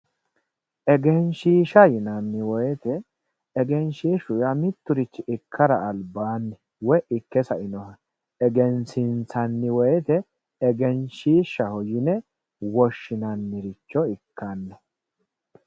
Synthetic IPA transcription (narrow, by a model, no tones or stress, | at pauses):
ʔɛɡɛnʃiːʃɐjɪnɐnːɪwɔjɛt̪ɛː | ɡɛnʃiːʃʊjɐmɪt̪ːʊɾɪt͡ʃːɪʔɪkʰːɐɾɐːlbaːnːɛ | wɔʔɪkːɛsɐɪnɔhɐ | ɛɡɛnsɪnt͡sɐnːɪwɔjɛt̪ɛ | ɛɡɛnʃiːʃːɐhɔjɪnɛ | wɔʃːɪnɐnːɪɾɪt͡ʃːɔɪkʰːanːɛ